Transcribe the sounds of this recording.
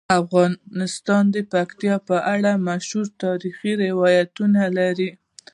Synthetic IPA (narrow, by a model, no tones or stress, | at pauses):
afɣɑɪst̪ɑnd̪əpakt̪ijɑpəʔaɽamaʃhuɾt̪ɑɾixiɾɪwɑjat̪unalaɾi